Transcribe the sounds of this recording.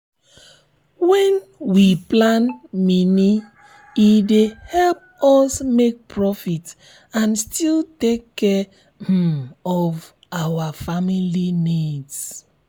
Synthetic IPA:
wɛ̃nwiplãnmini | idehɛlp̚ | ɔsmek̚pʰɹɔfit | ãnstiltekːɛ | ɔv | awafamilinids

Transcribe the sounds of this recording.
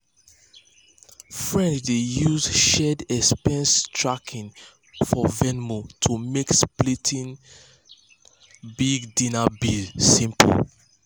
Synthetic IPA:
fɹɛ̃nt͡ʃdejuzʃɛdɛspɛ̃nstʰɹakʰĩn | fɔvɛnmutʰumeksplitʰĩn | biɡdĩnabilsĩmp

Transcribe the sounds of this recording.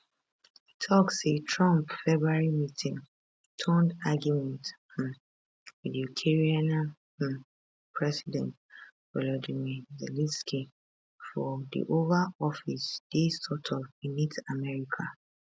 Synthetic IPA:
hitʰɔksetʰɹãmpfɛbɹuaɹimitʰĩŋ | tʰɔ̃ndaɡjumɛ̃nt | vɛdutʰɛɹianã | pʰɹɛsidɛ̃ntvɛlɔdimizɛlĩnskʰi | fɔdḭʔovaɔfisd̥esɔtʰɔĩnitamɛɹikʰa

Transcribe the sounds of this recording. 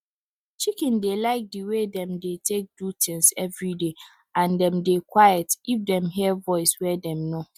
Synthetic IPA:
t͡ʃʰikɪ̃ndelaɪk̚diwedɛ̃mdetʰek̚d̥utʰɪ̃ŋsɛvɹide | ãndɛ̃mdekʰwajɛtifdɛ̃mɦiɛvɔɪswɛdɛ̃mnʊ̃

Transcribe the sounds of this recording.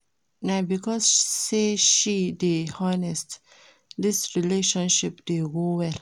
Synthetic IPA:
nabikɔsseʃidehanɛst | disɹileʃɔ̃nʃipdeɡowɛl

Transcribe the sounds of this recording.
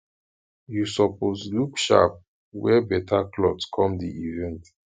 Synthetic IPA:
jusɔposlukʃa̰p̚ | wɛbɛtʰaklɔdskʰɔ̃mdḭivɛ̃nt

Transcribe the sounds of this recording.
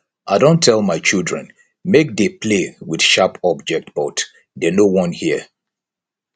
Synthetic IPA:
ʔaɪdõntʰɛlˠmaɪt͡ʃilˠdɹɛ̃n | mek̚depʰlewid̥ʃapɔb̚d͡ʒɛk̚t̚b̥ɔt | dɛnowɔ̃nhiə

